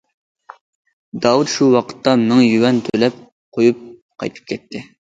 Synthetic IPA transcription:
d̪ɑːwut̪ʃuwɑqʰə̥t̪ʰːɑmmɪŋjywɛnt̪ʰølɛp̚ | qʰojup̚qʰɑ̰jt̪ʰɨ̥p̚kʲʰɛt̪ʰːɪ

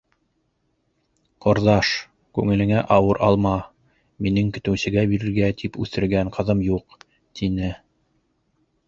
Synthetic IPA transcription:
qŏɾðɑʃ | kʉŋɘ̆lɘ̆ŋæʔɑwɤɾʔɑlˠmɑ | minɘŋkɵ̆t̪ɘ̆wsɘ̆ɡæbiɾɘ̆ɾɡæt̪ʰipʉθɘ̆ɾɡæŋqʰɤ̆ðɤmjuq | t̪ʰinɘ

